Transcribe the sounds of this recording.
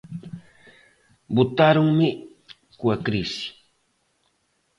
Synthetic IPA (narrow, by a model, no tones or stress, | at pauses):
bʊt̪aɾʊŋmɪ | kwakɾɪsi̥